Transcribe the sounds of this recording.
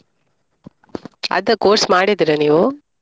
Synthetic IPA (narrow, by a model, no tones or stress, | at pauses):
ɐ̰ðɐkoːɾsmaːɽit̪ɪɾɐniʋoː